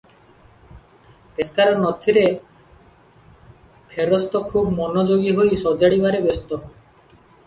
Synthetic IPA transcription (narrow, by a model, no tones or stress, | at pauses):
peskaɾɔnɔt̪ʰiɾe | pʰeɾɔst̪ɔkʰubmɔnod͡ʒoɡiɦojsɔd͡ʒaɽibaɾebest̪ɔ